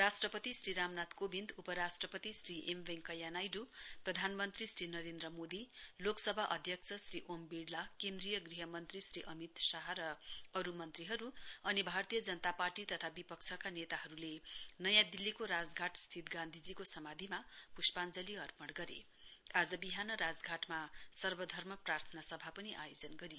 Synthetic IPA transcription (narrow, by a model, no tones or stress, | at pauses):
rasʈrʌpʌt̪isɾiɾamnat̪kobʱind̪upʌɾasʈrʌpʌt̪isriʔembeŋkʌjanajɖuprʌd̪ʱanmʌnt̪risɾinʌɾend̪ɾʌmod̪iloksʌbʱaʔʌd̪ʱjʌkt͡sʰʌsriʔombiɽlakend̪rijʌɡriɦʌmʌnt̪risriʔʌmit̪saɦaɾʌʌɾumʌnt̪riɦʌɾuʌnibʱart̪ijʌd͡zʌnʌt̪aparʈit̪ʌt̪ʰabipʌkt͡sʰʌkanet̪aɦʌɾulenʌjãd̪ilːikoɾad͡zɡʱaʈst̪ʰit̪ɡãnd̪ʱid͡zikosʌmad̪ʱimapuspand͡zʌliʌrpʌɽɡʌɾḛ | ad͡zʌbiɦanʌɾad͡zɡʱaʈmasʌrbʌd̪ʱʌrmʌprart̪ʰʌnasʌbʱapʌniʔajod͡zʌnɡʌɾij